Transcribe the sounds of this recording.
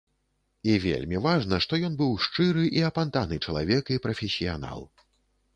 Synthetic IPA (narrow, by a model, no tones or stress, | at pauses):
ivʲḛlʲmʲivaʐnɐʂt̪ɔjɔn̪bɨwʂt͡ʂɨɾɨʔiɐpant̪anɨt͡ʂɐlˠavʲɛkipɾɐfʲɛsʲijana̰lˠ